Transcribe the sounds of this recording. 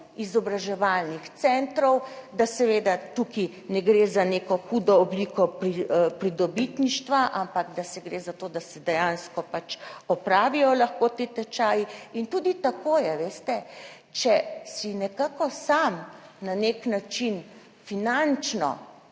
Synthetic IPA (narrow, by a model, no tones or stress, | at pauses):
izɔbɾaʒɛʋalnixt̪sɛnt̪ɾɔwd̪asɛʋeːd̪at̪uki | nɛɡɾezaneːkɔxud̪ɔːblikɔpɾipɾid̪ɔbit̪niʃt̪ʋaʔampaɡd̪asɛɡɾeːzat̪oːd̪asɛd̪ɛjanskɔpat͡ʃɔpɾaːʋijɔlaxkot̪et̪ɛt͡ʃaːjiint̪uːd̪it̪akoːjɛʋest̪ɛ | t͡ʃɛsinɛkaːkɔsamnaneknat͡ʃin | finant͡ʃnɔ̰